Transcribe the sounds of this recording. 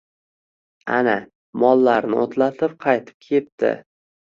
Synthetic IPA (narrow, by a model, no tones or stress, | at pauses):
a̰na | mɒlˠːaɾnɪot̪ʰlat̪ʰɪp̚qʰɑjt̪ʰɪ̥p̚kʲʰe̞p̚t̪ʰɪ̰